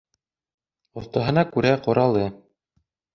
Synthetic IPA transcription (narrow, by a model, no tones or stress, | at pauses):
ŏθt̪ɑɦɤ̆nɑkʉɾæqŏɾʔɑlˠɤ